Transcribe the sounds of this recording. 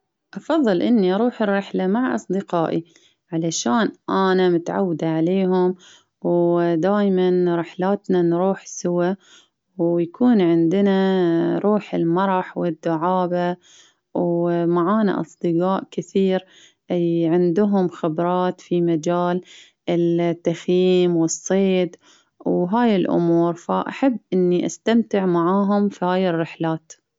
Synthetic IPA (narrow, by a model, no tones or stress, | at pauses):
ʔɑfɑðˤːɨlʔɪnːiʔɑɾˤuːħɪrːɪħlamaʕʔɑ̰sˤd̪ɪqɑːʔi | ʕalaʃaːnʔanamʊt̪ʕa̰wːd̪aʕaleːɦʊm | wd̪aːjmanɾɪħlaːt̪nanɾuːħsʊwa | wjakʰuːnʕɪnd̪ɪnaɾˤuːħɪ̰lmɑɾˤɑħwɪd̪ːʊʕaːba | wmaʕaːna̰ʔɑ̰sˤd̪ɨɡaːʔkɪθiːɾ | ʕɪnd̪ʊɦʊmxɪbɾˤɑːt̪fimad͡ʒaːl | ɪt̪ːaxjiːmwɨsˤːeːd̪ | wɦaːjɪlʔʊ̰muːɾfaʔaħabːʔɪnːiʔast̪amt̪ɪʕmaʕaːɦʊmfihaːjɪrːɪħlaːt̪